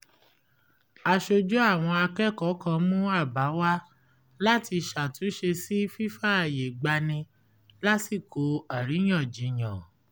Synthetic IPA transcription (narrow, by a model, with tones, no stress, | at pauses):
a˧ʃo˧d͡ʒu˦a˦˨w̃ɔ̃˧a˧kɛ˦˨kɔ˨˦kã˧mũ˦a˦˨ba˨˦wa˦ | la˦ti˧ʃa˨tũ˨˦ʃe˧si˦fi˦fa˦a˨je˨ɡ͡ba˧nĩ˧ | la˦ti˦˨ko˨˦a˨ɾi˨˦j̃ã˦˨d͡ʒi˨˦j̃ã˨